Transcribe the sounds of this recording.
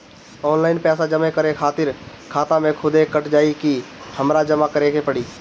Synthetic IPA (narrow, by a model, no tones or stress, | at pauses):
ɔːnlaːɪnpɛːsad͡ʒəmẽkəɾekʰaːt̪ɪɾ | kʰaːt̪ãmẽkʰʊd̪ekəʈʰd͡ʒaːikihəmɾad͡ʒəmakəɾẽkepəɽiː